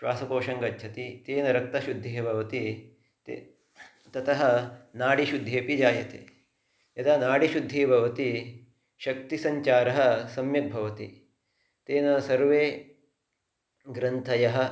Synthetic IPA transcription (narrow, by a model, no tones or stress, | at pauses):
ʃʋaːsɐkoːʃɐŋɡɐtːt͡ʃʰɐt̪it̪eːnɐɾɐk̚t̪ɐʃud̪ʱːeɦbʱɐʋɐt̪i | t̪e | t̪ɐt̪ɐɦɐ̆naːɽiʃud̪ʱːeːpid͡ʒaːjɐt̪ḛː | jɐt̪anaːɽiʃud̪ʱːeːbʱɐʋɐt̪i | ʃɐk̚t̪isɐɲt͡ʃaːɾɐɦɐ̆sɐmjɐt̪̚bʱɐʋɐt̪ḭ | t̪eːnɐsɐɾʋeː | ɡɾɐnt̪ʰɐjɐɦɐ̆